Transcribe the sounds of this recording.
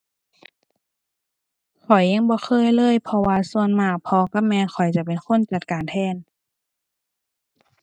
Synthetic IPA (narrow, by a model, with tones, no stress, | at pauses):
kʰɔ˨˩jːa˧˥˨ŋbɔː˧˦xʰɤː˧˥˨jlɤː˧˥˨jpʰɔ˧waː˧su˧ənmaː˧˩k̚pʰɔ˧ka˧˥p̚mɛː˧˥xʰɔ˨˩jt͡ɕa˨˧˨pe˨˩nkʰo˧˥˨nt͡ɕa˨˩t̪̚kaː˨˩nt̪ʰɛː˧˥˨n